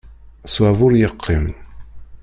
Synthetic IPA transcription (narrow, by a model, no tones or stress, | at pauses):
swævʊɾjəqʰːim